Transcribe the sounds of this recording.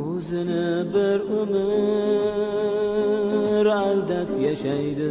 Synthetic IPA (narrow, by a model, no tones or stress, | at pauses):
ɵzɪnɪbɪɾʊmɪ | ɾalˠd̪atjaʃajd̪ɪ